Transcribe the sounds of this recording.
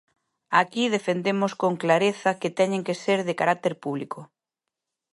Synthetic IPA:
akiðefend̪emoskoŋklaɾeθɐket̪ɛɲẽŋkeseɾðekaɾak̚t̪eɾpuβ̞likʊ

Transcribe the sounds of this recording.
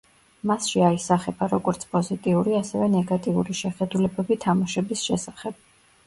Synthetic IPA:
masʃiaisaχɛbaɾɔɡɔɾt̪sʰpʼɔzit̪ʼiuɾiasɛvɛnɛɡat̪ʼiṵɾiʃɛχɛd̪ulɛbɛbit̪ʰamaʃɛbisʃɛsaχɛb̥̚

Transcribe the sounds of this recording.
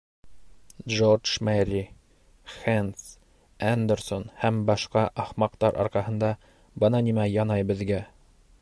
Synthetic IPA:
dʒord͡ʒmæɾi | χæns | ænd̪ersonhæmbɑʃqɑʔɑχmɑqt̪ɑɾʔɑ̰ɾqɑhɤ̆nd̪ɑ | bɤnɑnimæjɑnɑjbɘ̆ðɡæ

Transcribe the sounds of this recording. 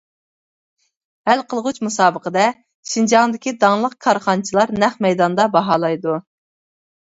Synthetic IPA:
hælqʰəlˠʁut͡ʃmusɑːbəqəd̪ɛ | ʃind͡ʒɑŋd̪ɪkʲid̪ɑŋlˠəq̚kʰɑɾχɑnt͡ʃʰilˠɑɾnɛχmɛjd̪ɑnd̪ɑbɑɦɑlˠɑjd̪u

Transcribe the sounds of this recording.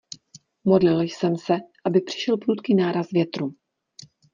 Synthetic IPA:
mo̞dlɪljsɛmsɛʔabɪpr̥ɪ̥ʃɛlpɾuːt̪kinaːɾasvjɛt̪ɾuː

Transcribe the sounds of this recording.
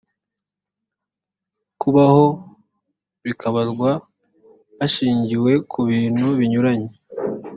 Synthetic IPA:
kʰuβaho̞ | βikaβazɡwaː | ʃiːɲɟiwe̞kʰuβiːn̥huβiɲuɾaɲe

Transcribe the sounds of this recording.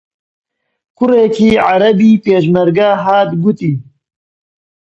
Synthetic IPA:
kʊreːkʰiːʕaɾɐbiːpeːʃmɐɾɡaːɦaːt̪ɡʊt̪iː

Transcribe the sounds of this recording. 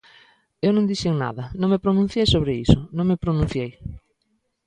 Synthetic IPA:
ewnõŋd̪iʃeŋna̰ðɐnõŋmepɾonũn̟θjejsoβɾeisʊnõŋmepɾonũn̟θjej

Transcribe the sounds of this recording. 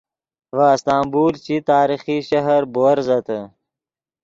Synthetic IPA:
ʋaːst̪aːmbuːlt͡ɕit̪aːɾixiɕɐɦɐɾboːɾzɐt̪ə

